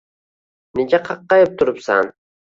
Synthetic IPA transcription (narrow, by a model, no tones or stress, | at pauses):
ned͡ʒaqʰɑqːɑjɪp̚t̪ʰʊɾɪpsa̰n